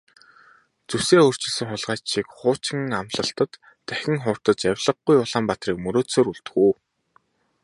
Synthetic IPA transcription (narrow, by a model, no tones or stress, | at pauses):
t͡suwseːɵr̥t͡ɕɪ̆ɮsɘ̆ŋχʊɮʁaːt͡ɕʃiːkχʊːt͡ɕɪ̆ŋamɮə̆ɬt̪ə̆t̪ː | æxʲɪ̆ŋχʊːr̥t̪ə̆t͡ɕjæwʲɮə̆ɡːujʊɮaːmpat̪riːkmɵɾoːsoːɾuɮt̪ɡuː